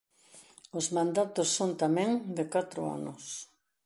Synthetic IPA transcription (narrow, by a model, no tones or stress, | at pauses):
ozmãnd̪at̪ʊsːõnt̪amẽŋd̪ekat̪ɾʊa̰nʊs